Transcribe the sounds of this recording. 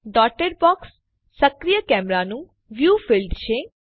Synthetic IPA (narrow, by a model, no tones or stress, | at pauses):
ɖɔːʈəɾbɔːksː | əkɾijəkɛːmɾaːnũː | ʋjuːpʰɪlɖʃeː